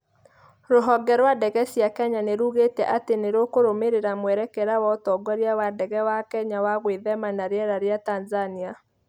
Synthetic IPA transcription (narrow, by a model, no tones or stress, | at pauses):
ɾoɦɔɡɛɾwadɛɣɛsjakɛɲaneɾuɣetɛʔateneɾokoɾomeɾeɾamwɛɾɛkɛɾawɔtɔɡaɾjawadɛɣɛwakɛɲawaɣweðɛmanaɾeɛɾaɾeatanzania